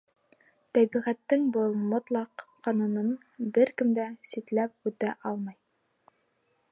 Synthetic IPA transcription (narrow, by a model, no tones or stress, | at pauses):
t̪æbiʁæt̪ːɘŋbɤlˠmŏt̪lˠɑqqːɑnunɤn | bɘɾkɘ̆md̪æsit̪læp̚ʉt̪æʔɑlˠmɑj